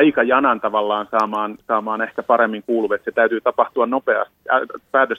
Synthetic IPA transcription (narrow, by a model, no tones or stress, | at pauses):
ikɑjɑnɑnt̪ɑʋɑlːɑːnsɑːmɑːnsɑːmɑːnæhk̪æpɑɾemːiŋkuːluʋet̪set̪æyt̪yːt̪ɑpɑht̪uɑnnopeɑ̰st̪iæpæːt̪øs